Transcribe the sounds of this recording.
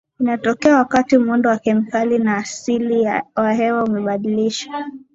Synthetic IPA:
inatɔkɛawakatimɔndɔwakɛmikalinaːsiliwaɦɛwaumɛɓaɗiliʃḁ

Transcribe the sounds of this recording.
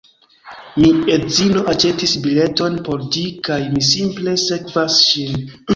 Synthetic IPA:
mie̞zilo̞ʔat͡ʃe̞tisbile̞to̞npo̞ɾd͡ʒikajmisimple̞se̞kvasʃin

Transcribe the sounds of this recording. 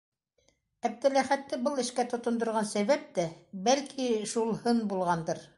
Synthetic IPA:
æb̚t̪ɘ̆læχæt̪ːɘbɤlˠɘ̆ʃkæt̪ŏt̪ŏnd̪ŏɾʁɑnsæβæp̚t̪æbælkʰiʃulˠhɤnbulˠʁɑnd̪ɤɾ

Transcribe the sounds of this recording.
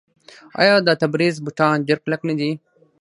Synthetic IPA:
a̰ːjaːd̪at̪ɐbɾiːzbuʈ̪ʰãːnd͡ʑɐɾklɐknid̪iː

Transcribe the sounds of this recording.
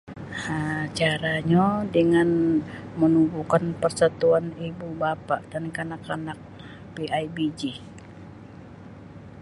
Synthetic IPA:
at͡ʃaɾaɲodəŋanmənubukanpərsat̪uanibubapaʔdankanakanak̚ | peaibid͡ʒi

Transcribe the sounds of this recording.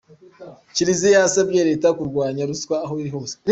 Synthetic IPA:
ciɾizijasabɟeɾe̞ːtakuɾɡwaːɲaɾuskwaːɦoiɾiɦoːse̥ɾ

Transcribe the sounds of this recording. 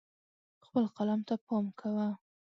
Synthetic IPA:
xpəlqalɑmt̪apɑmkʰawa

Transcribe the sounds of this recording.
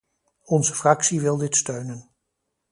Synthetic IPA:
ɔnzəfrɑksiʋɪlˠdɪtstøɥnən

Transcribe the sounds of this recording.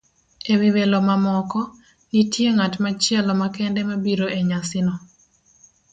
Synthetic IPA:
ewiwelɔmamɔkɔ | nitjeŋatmat͡ʃjɛlɔmakɛndɛmabiɾoʔeɲasɪnɔ

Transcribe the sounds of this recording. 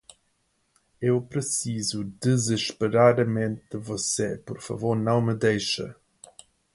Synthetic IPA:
ewpɾɨsizud̪ɨzɨʃpɨɾaɾɐmẽnt̪̚d̪ɨvɔsepɔɾfɐ̰voɾnɐ̃w̃mɨd̪ejʃɐ̰

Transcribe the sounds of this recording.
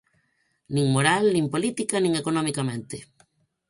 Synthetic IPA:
nĩŋmoɾalnĩmpolit̪ikanĩŋekonõmikamẽnt̪ɪ

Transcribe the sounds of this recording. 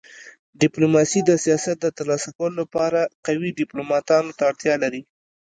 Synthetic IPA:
ɖɪplomɑsid̪əsijɑsat̪̚d̪ət̪əɾlɑsakawəlolapɑɾaqawiɖɪplomɑt̪ɑnot̪aːɽt̪jɑlaɾi

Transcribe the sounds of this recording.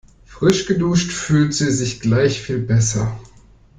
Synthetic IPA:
fʁ̥ɪʃɡ̥əduːʃtfyːltz̥iːzɪçɡ̥laɪçfiːlbɛsɐ̰

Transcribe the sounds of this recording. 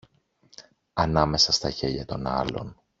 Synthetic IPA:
ɐnɐme̞sɐst̪ɐçe̞ʎɐt̪o̞nɐ̰lo̞̰n

